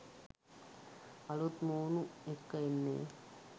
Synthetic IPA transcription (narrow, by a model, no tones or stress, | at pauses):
ɐlot̪moːnuekːɐenːḛː